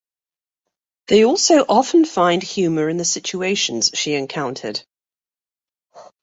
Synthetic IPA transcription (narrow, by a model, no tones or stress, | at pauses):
ðeɪɔˑlˠsəʊʔɒfə̃nfãɪ̃nd̥hjʉːməɹɪ̃nðəsɪt͡ʃueɪʃə̃nz̥ʃiɨ̃nkʰãʊ̃ntʰə̰d̥